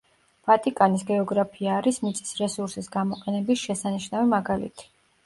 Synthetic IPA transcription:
v̥at̪ʼikʼanisɡɛɔɡɾapʰiaːɾismit̪sʼi̥sɾɛsuɾsisɡamɔqʼɛnɛbisʃɛsaniʃnavimaɡalḭt̪ʰi̥

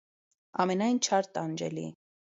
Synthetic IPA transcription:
ɑ̰mɛnɑjnt͡ʃʰɑɾt̪ɑnd͡ʒɛ̰lḭ

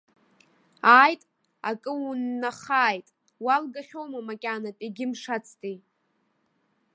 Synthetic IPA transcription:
aːjtʼ | akʼɨunːaχaːjtʼ | walɡaχʲowmamakʲʼanapʼiɡʲɪmʂat͡sʰtʼi

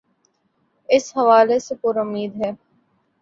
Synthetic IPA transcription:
ɪshɐʋaːlesepʊɾʊmːiːd̪ɦɛː

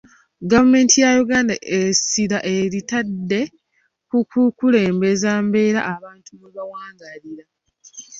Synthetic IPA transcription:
ɡavume̞ːntijajuɡaːndaʔesiɾaʔe̞ɾitadːe̞ | kukukule̞ːmbe̞zaːmbe̞ːɾa̰ʔːβaːntʰuβeβawaːŋɡaliɾa

